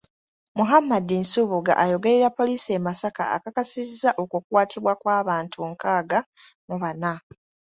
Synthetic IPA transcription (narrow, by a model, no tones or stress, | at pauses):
muɦamːadinsuβuɡa̰ʔajo̞ɡe̞ɾeɾapːo̞liːsiemasaka̰ːkakasizːaʔokukuwaːtʰiβwakwaːβaːntʰuŋkaːɡa | muβana